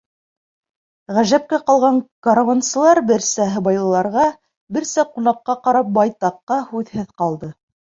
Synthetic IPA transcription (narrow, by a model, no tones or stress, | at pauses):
ʁæʒæp̚kæqɑlˠʁɑŋkoɾvansɤ̆lˠɑɾbɘɾsæɦɤ̆bɑjlˠɤ̆lˠɑɾʁɑ | bɘɾsæqunɑqːɑqɑɾɑp̚bɑjt̪ɑqːɑhʉðhɘðqɑlˠd̪ɤ